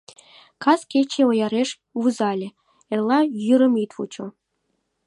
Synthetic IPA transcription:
kɑskʲet͡ɕeojɑɾeʂ | vuzɑlʲĕ | erlˠɑjyɾə̆mit̪vṵt͡ɕo

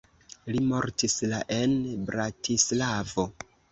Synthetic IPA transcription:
limo̞ɾtislaʔenbɾatʰislavo̞

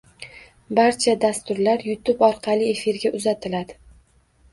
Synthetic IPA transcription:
baɾt͡ʃʰad̪ast̪ʊɾlaɾjʊt̪ʰʊbɒɾqʰɑlˠɪe̞fiɾɡʲaʔʊzat̪ʰɪlad̪ɪ

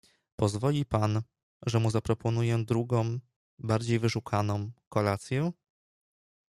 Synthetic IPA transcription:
pɔzvɔlʲipan | ʐɛmuzapɾɔpɔnujɛd̪ɾuɡɔ̃w̃ | baɾd͡ʑejvɘʂukʰanɔ̃w̃kɔlat̪sʲjɛ

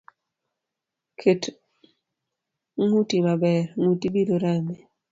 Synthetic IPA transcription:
kʰet | ŋutimabɛɾŋutibidoɾame

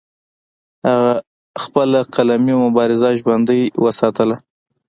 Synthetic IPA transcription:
haɣa | xpəlaqalamiamʊbɑɾɪzaʒband̪əjwəsɑt̪əla

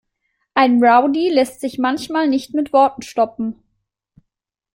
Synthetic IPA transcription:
ʔaɪnʁaʊdilɛstz̥ɪçmançmaːlnɪçtmɪtv̥ɔɐtn̩ʃtɔpm̩

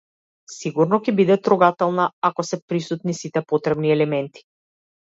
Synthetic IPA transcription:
siɡuɾnɔkɛbid̪ɛt̪ɾuɡat̪ɛlˠnaakɔsɛpɾisut̪nisit̪ɛpɔt̪ɾɛbniɛlɛmɛnt̪i̥

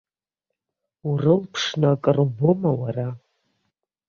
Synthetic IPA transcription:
urɨlpʰʂnakʼɨrbomawara

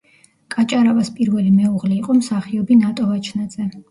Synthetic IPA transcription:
kʼat͡ʃʼaɾavaspʼiɾvɛlimɛuʁlɛiqʼɔmsaχiɔbinat̪ʼɔvat͡ʃʰnad̪z̥ɛ

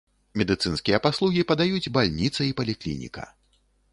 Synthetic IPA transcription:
mʲɛd̪ɨt̪sɨnskʲijɐpaslˠuɣʲipɐd̪ajud͡zʲbalʲnʲit̪sɐipɐlʲiklʲḭnʲḭkɐ̰

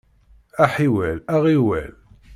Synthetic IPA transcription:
æħiwælæʁiwæ̰l

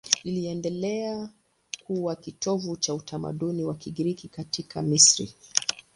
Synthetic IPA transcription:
niliɛndɛlɛa | kuwakitɔvut͡ʃautʰama̰ɗuniwakiɠiɾikikatikʰa̰misɾḭ

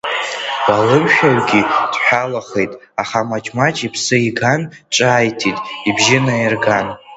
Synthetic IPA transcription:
b̥alɨmʃᶣawɡʲid̥ħʷᶣalaχe̞jtʼ | aχamat͡ʃʼmat͡ʃʼipʰsɨiɡant͡ʃʼaːjtʰitʼibʒɪnajɪrɡan

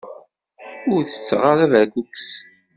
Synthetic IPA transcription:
ʊɾθə̥t͡sːʁaɾævæɡuks

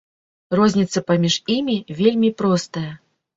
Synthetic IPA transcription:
rɔzʲnʲit̪sɐpamʲiʂimʲivʲelʲmʲipɾɔst̪ɐjɐ

